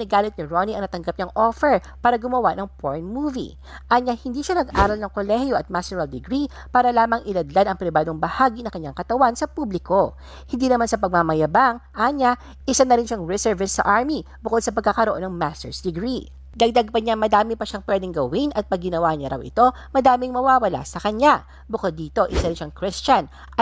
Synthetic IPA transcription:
nɪɡaːlɪt̪̚nɪɹoniɐŋnɐt̪ɐŋɡap̚ɲɐŋʔofɛɹpaːɾɐɡʊmɐwanɐŋfoɹnmuːvḭ | ʔɐɲahɪnd̪iːʃanɐɡʔa̰ːɾɐlnɐŋkolɛhjoʔɐt̪̚mast̪ɛɹɐld̪ɪɡɾi | paːɾɐlaːmɐŋʔɪlɐd̪lad̪ɐŋpɾɪbaːd̪o̞ŋbɐhaːɡinɐŋkɐɲːaŋkɐt̪ɐwansɐpublɪko̞ | hɪnd̪iːnɐmansɐpɐɡ̚mamɐjɐbaŋʔaɲa | ʔɪsanɐɾɪnʃaŋɹɛsɛɹvɪsːɐ̰ʔaɹmi | bʊko̞d̪̚sɐpɐɡ̚kːakɐɾoʔo̞nɐŋmast̪ɛɹsd̪ɪɡɾi | d̪ɐɡ̚d̪aɡ̚pɐɲamɐd̪aːmɪpɐʃaŋpwɛd̪ɛŋɡɐwɪnʔɐt̪̚pɐɡɡɪnɐwaɲaɾɐ̰wʔɪ̰t̪o̞ | mɐd̪aːmɪŋmɐwaːwɐla̰sɐkɐɲa | bʊkod̪ːiːt̪o̞ʔɪsaɾɪnʃaŋkɾɛst͡ʃɐn

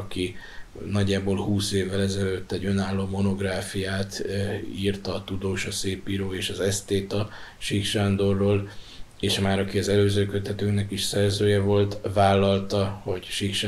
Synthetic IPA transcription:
ɒkinɒɟːaːboːlhuːseːvːɛlɛzɛløt̪ːɛɟːø̞naːlːoːmo̞no̞ɡraːfijaːt̪iːrt̪ɒːt̪ud̪oːʃɒseːpːiɾoːeːʃɒzɛst̪eːt̪ɒʃikʃand̪o̞rːoːl | eːʃmaːɾɒkiɒzɛløːzøːkø̞t̪ːɛt̪øːknɛkiʃsɛrzøːjɛvo̞lt̪vaːlːɒlt̪ɒho̞ɟʃikʃ

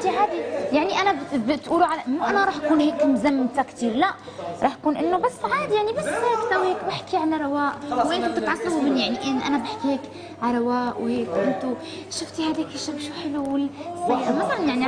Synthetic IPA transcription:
t̪iʕaːd̪ijaʕniʔanabbɪt̪ʔuːluʕalmaʔanaɾˤɑːħʔakuːnheːkmzamːt̪akt̪iːɾlaʔɾˤɑːħʔakuːnʔɪnːʊbasːʕaːd̪ijaʕnibasːtsawːiheːkbaħkiʕanɾˤɑwaːʔwʔeːnʔɪnt̪ʊt̪ʕɑsˤːɑmmɪnjaʕniʔeːnʔanabaħkiheːk | ʕaɾˤɑwaːʔwheːkʔɪnt̪u | ʃʊft̪ihaːd̪eːkɪʃabʃuħɪluɪlsˤɑjɾɑmɑt̪ˤɑɾnjaʕni

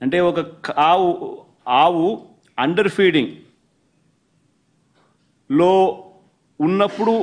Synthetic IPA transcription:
ɐɳʈe̞ːɔkɐkʰaːwu | aːwu | ɐɳɖɐɾpʰiːɽiŋɡ | loː | unːɐpːuɽu

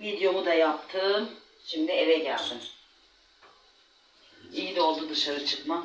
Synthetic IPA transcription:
vid̪jo̞mud̪ajap̚t̪ʰːɯːm | ʃimd̪ievɛɟælʲd̪in | ijid̪o̞lˠd̪ud̪ɯʃaɾɯt͡ʃʰɯkma

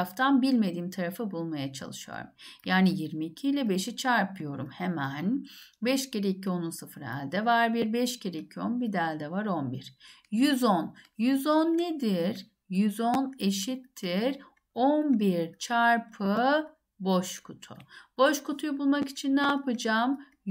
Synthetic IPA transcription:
ft̪ʰanbilʲme̞d̪iːmt̪ʰaɾafɯbulˠmajat͡ʃʰa̰lˠɯʃɯjo̰ɾṵmjaːnijiɾmiːcʰiːlʲɛbe̞ʃit͡ʃʰaɾpʰɯjo̞ɾumhemænbɛʃceɾeicʰio̞nunsɯfɯɾæ̰lʲd̪ɛvaɾbiɾbɛʃceɾeicʰio̞nbid̪ælʲd̪ɛvaɾo̞nbiɾ̥jyzonjyzonːed̪iɾ | jyzoneʃit̪ʰːiɾ | onbiɾt͡ʃʰaɾpʰɯ | boʃkʰut̪ʰṵb̥o̞ʃkut̪ʰujubulˠmaki̥t͡ʃʰinːaːpʰɯd͡ʒaːm

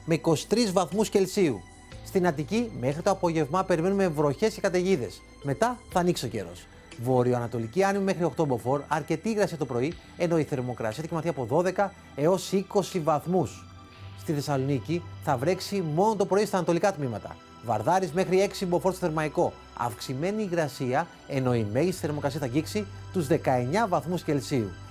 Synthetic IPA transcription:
me̞iko̞si̥t̪ɾizvɐθmusce̞lsiṵ | st̪inɐt̪icime̞xɾit̪o̞ɐpo̞ʝe̞vmɐpe̞ɾime̞nume̞vɾo̞çe̞scekɐt̪eʝiðe̞̰s | me̞t̪ɐθɐːnikso̞ce̞̰ɾo̞̰s | vo̞ɾioɐnɐt̪o̞liciɐnimime̞xɾio̞xt̪obo̞fo̞ɾɐɾce̞t̪iːɣɾɐsiɐt̪opɾo̞i | e̞no̞iθe̞ɾmo̞kɾɐ̰siɐθcemɐθiɐpo̞ðo̞ðe̞kɐ | e̞o̞siko̞sivɐθmus | st̪iθe̞sɐlo̞niciθɐvɾe̞ksimo̞not̪o̞pɾo̞ist̪ɐːnɐt̪o̞likɐt̪mimɐt̪ɐ̰ | vɐ̰ɾðɐɾizme̞xɾie̞ksibo̞fo̞ɾst̪θe̞ɾmɐiko̞ | ɐ̰fksime̞niːɣɾɐsiɐ | e̞no̞ime̞ʝisiθeɾmo̞kɾɐsiɐθɐɟiksit̪uzðe̞kɐe̞ɲɐvɐθmusce̞lsiu

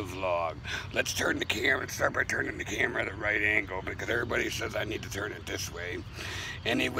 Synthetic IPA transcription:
ʌvlɔɡlɨtstʰɜ̃˞nðɨkʰæ̃mlɨtstɑɹt̚b̥aɪtʰɜ̃˞nɪ̃ŋðɨkʰæmə˞ɨðɨɹaɪɾæ̃ŋɡl̩ˠbɨt̚kʰʌzɛvɹibɑɾisɛzaɪnid̚tɨtʰɜ̃˞nɨt̪̚ðɪsweɪ | ɨ̃niw

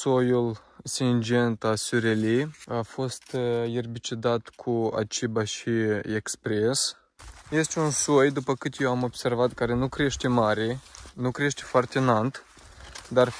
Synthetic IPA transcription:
so̞jul | sind͡ʒe̞nt̪asyɾeliafo̞st̪jerbit͡ʃid̪at̪kʰua̰t͡ʃibaʃiekspɾe̞s | je̞st̪eunso̞jd̪upəkɨt̪jewamo̞bse̞rvat̪kaɾe̞nukɾe̞ʃt̪emaɾenukɾe̞ʃt̪efoart̪enant̪ | d̪ar

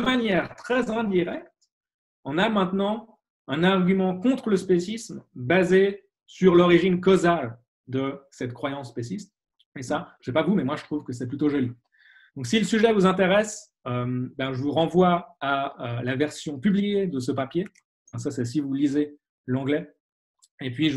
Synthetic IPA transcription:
d̪əmanjɛʁt̪χɛzɛ̃d̪iʁɛk̚t̪ | ɑ̃namɛ̃t̪nɑ̃ | ɛ̃naʁɡʲymɑ̃kɔ̃t̪χələspesismbaze | syʁlɔʁiʒinkozal | d̪əsɛt̪kχwajɑ̃sːpesist̪ | esasɛpavumɛmwaʒət̪χuvkəs̬ɛplyt̪oʒɔli | d̪̥ɔ̃ksiləsyʒɛvuzɛ̃t̪̬eʁɛs | ømbãʒəvuʁɑ̃vwaaølavɛʁsjɔ̃pyblijed̪əsəpapje | ɛ̃sasɛs̬ivulize | lɑ̃ɡlɛ | epɥiʒ

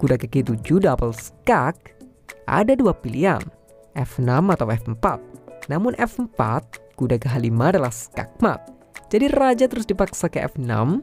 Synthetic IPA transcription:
kudakəkit̪ud͡ʒudapəlsə̥kak̚ | ʔa̰daduapilia̰n | ʔɛfnamat̪awɛfmpat̪̚namʊnʔɛfəmpa̰t̪̚kudakəɦalimaːdalahsə̥ka̰k̚ma̰t̪̚ | d͡ʒadirad͡ʒat̪əɾʊsdipaksakəɛ̰fna̰m

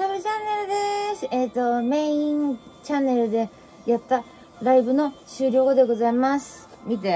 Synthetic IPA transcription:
saɾɯt͡ɕanːe̞ɾɯ̟d̪eet̪ːo̞me̞ĩŋt͡ɕãnːe̞ɾɯ̟d̪e̞ | jat̪ːa | ɾaibɯ̟no̞ɕɨːɾʲo̞ːɡod̪e̞ɡo̞zaimasɨ̥ | mʲit̪e

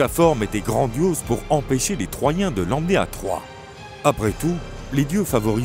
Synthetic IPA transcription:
afɔʁmet̪ɛɡʁɑ̃d̪jozpuʁɑ̃peʃelet̪χwajɛ̃d̪əlɑ̃mnea̰t̪χwa̰ | apχɛt̪uled̪jøfavɔʁi

